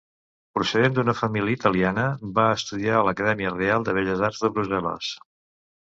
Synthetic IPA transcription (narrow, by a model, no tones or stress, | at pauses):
pɾusəðend̪unəfəmiliəit̪əlianəbaəst̪uðialəkəðɛmiərealˠd̪əβ̞eʎəzarzðəβɾuzɛlə̰s